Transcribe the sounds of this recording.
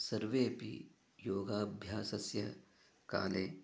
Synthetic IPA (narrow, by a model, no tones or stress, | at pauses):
sɐɾʋeːpḭ | joːɡaːbʱjaːsɐsjɐ | ka̰ːleː